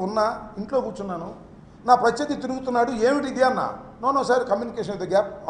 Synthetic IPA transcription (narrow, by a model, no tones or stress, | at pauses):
unːaiɳʈloːkuːt͡ʃunːaːnu | naːpɾɐt͡ʃːed̪it̪̬iɾuɡut̪unːaːɽueːmiʈid̪ianːa̰ːnoːnosaːɾikɐmjuːnikeːʂɐnid̪ɐɡaːp̚